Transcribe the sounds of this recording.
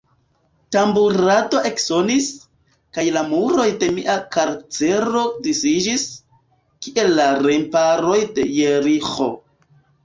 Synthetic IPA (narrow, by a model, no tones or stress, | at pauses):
tambuɾato̞ʔe̞kso̞nis | kajlamuɾo̞jde̞miʔakaɾt͡se̞ɾo̞disid͡ʒis | kiʔe̞lːaɾempaɾo̞jde̞jeɾiχo̞̰